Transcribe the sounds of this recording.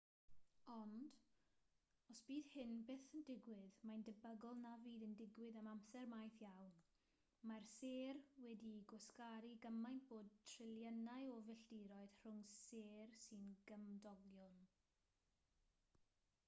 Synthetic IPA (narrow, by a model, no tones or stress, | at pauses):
ɔnd | ɔsb̥iːð̥hɪnbeːθəndɪɡwɪðmajndəbəɡɔlˠnaviːðəndɪɡwɪɨðamamsɛrmajθjawn | marseːrwɛdiɡɔskaɾiɡəmajnb̥oːd̚tʰrɪlˠjənaɨɔvɛɬd̥iɾɔɨð̥r̥ʊŋseːrsɨnɡəmdɔɡjɔn